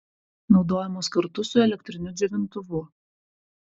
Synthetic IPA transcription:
nɒʊd̪oːjɛmoːskɐɾt̪ʊsʊɛlʲɛk̚ʲt̪ʲɾʲɪnʲʊd̪zʲɛʋʲɪnt̪ʊʋʊ

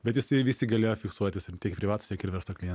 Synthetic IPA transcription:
bʲɛt̪jɪsɐɪʋʲiːsʲɪɡɐlʲeːjoːfʲɪksuɔt̪ʲɪst̪ʲiɛkpɾʲɪʋɑːt̪ʊ̥st̪ʲiɛkɪɾʋʲɛɾst̪oːklʲɪjɛn

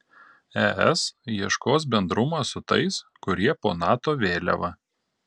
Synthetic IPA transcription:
ɛɛsjiɛʃkoːs̬bʲɛnd̪ɾʊmɑːsʊt̪ɐ̰ɪskʊɾʲiɛpoːnɑːt̪oːʋʲeːlʲɛ̰ʋɐ

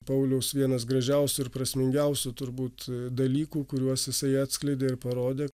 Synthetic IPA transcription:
pɐʊlʲɛʊsʋʲiɛnɐs̬ɡɾɐʒʲɛʊsʲʊɪɾpɾɐsʲmʲɪŋʲɡʲɛʊsʲʊt̪ʊɾbuːt̪d̪ɐlʲiːkuːkʊɾʲuɔsjɪsɐɪɑːt̪ʲsʲklʲɪd̪ʲeːɪɾpɐɾoːd̪ʲeː

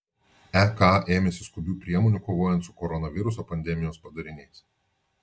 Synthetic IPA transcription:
ækɑːʔeːmʲɛsʲɪskʊbʲuːpʲɾʲiɛmoːnʲuːˑkoːʋoːjɛnt̪sʊ̥kɔɾɔnɐʋʲɪɾʊsoːpɐnʲd̪ʲɛmʲɪjoːspɐd̪ɐɾʲɪnʲɛɪs

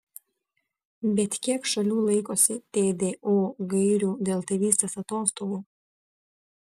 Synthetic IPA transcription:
bʲɛt̪ʲkʲiɛkʃɐlʲuːlˠɐɪkoːsʲɪt̪ʲeːd̪ʲeːʔoːɡɐɪɾʲuːd̪ʲeːlˠt̪ɐʋʲiːst̪ʲeːsɐt̪oːst̪oːɡuː

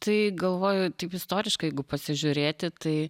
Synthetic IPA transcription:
t̪ɐɪɡɐlˠʋoːjʊt̪ɐɪpɪst̪oːɾʲɪʃkɐjɛɪɡʊpɐsʲɪʒʲʊɾʲeːt̪ʲɪt̪ɐɪ

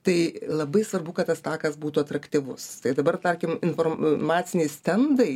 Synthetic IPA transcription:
t̪ɐɪlˠɐbɐɪsʋɐrbʊkɐt̪t̪ːɐst̪ɑːkɐsbuːt̪uɐt̪ɾɐkt̪ʲiʋʊst̪ɐɪd̪ɐbɐrt̪ɐɾʲkʲɪmɪnfoːrmɑːt̪sʲɪnʲɛɪsʲt̪ʲɛnd̪ɐɪ

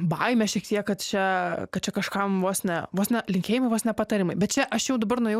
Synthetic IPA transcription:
bɐɪmʲɛʃʲiɛkt̪ʲiɛkkɐt̪t͡ʃʲɛkɐt̪̚t͡ʃʲɛkɐʃkɐmʋoːsnʲɛʋoːsnʲɛlʲɪŋʲkʲeːjɪmɐɪʋoːsnʲɛpɐt̪ɐɾʲɪmɐɪbʲɛt̪t͡ʃʲɛʔɐʃjɛʊd̪ɐbɐrnoʊjɛ

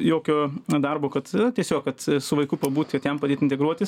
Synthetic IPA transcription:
joːkʲoːd̪ɐrboːkɐt̪t̪ʲiɛsʲoːkkɐt̪sʊʋɐɪkʊpɐbuːt̪ʲkɐt̪jɛmpɐd̪ʲeːt̪ɪnt̪ʲɛɡɾuɔt̪ʲɪs

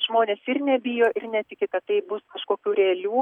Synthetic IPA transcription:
ʒmoːnʲeːsɪɾnʲɛbʲɪjoːʔɪɾnʲɛt̪ʲɪkʲɪkɐt̪t̪ɐɪbʊskɐʃkoːkʲuːɾʲeːɐlʲuː

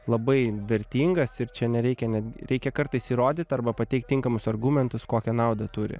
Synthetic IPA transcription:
lˠɐbɐɪʋʲɛɾʲt̪ʲiːŋɡɐsɪɾt͡ʃʲɛnʲɛɾʲɛɪkʲɛnʲæd̪ʲɡʲɪɾʲɛɪkʲɛkɐɾt̪ɐɪsiːɾoːd̪ʲɪt̪ʲɐɾbɐpɐt̪ʲɛɪkt̪ʲɪŋkɐmʊsɐrɡuːmʲɛnt̪ʊskoːkʲɛnɑˑʊd̪ɐt̪ʊɾʲɪ̰

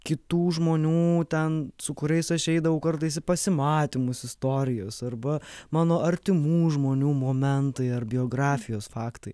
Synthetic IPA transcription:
kʲɪt̪uːʒmoːnʲuːt̪ʲɛnsʊkʊɾʲɛɪsɐʃɛɪd̪ɐʋɐʊkɐɾt̪ɐɪs̬ɪpɐsʲɪmɑːt̪ʲɪmʊsɪst̪oːɾʲɪjoːsɐrbɐmɑːnoːʔɐɾʲt̪ʲɪmuːʒmoːnʲuːmoːmʲɛnt̪ɐɪɐrbʲɪoːɡɾɑːfʲɪjoːsfɑːkt̪ɐɪ

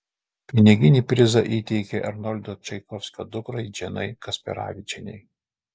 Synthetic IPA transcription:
pʲɪnʲɪɡʲɪnʲiːpʲɾʲɪzɐʔiːt̪ʲɛɪkʲeʔɐɾnɔlʲd̪ot͡ʃʲɛɪkɔfʲsʲkʲɐd̪ʊkɾɐɪd͡ʒʲɛnɐ̰ɪkɐsʲpʲɛ̰ɾɑ̰ːʋʲɪt͡ʃʲɛnʲɛ̰ɪ

